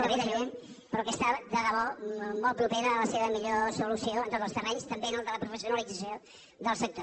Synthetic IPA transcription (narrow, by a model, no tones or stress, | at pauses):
əβiðəʒem | pɾɔkəst̪ad̪əɣəβɔmɔlˠt̪pɾupeɾəːləseβəmiʎosulusioənt̪ot̪zəlˠst̪ərɛɲst̪əmbenəlˠd̪ələpɾufəsiunəlid͡zəsjo | ðəlˠsək̚t̪o